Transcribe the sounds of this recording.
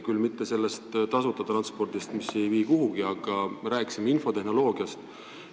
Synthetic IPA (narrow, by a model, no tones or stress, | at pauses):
kylmit̪ːe̞se̞lːest̪t̪ɑsut̪ːˑɑt̪ɾɑnspo̞rd̪̥ist̪mise̞jviːkuɦuɡiɑɡ̥ɑɾæːkːˑisimeinfo̞t̪e̞ɦno̞lo̞ːɡ̥iɑst̪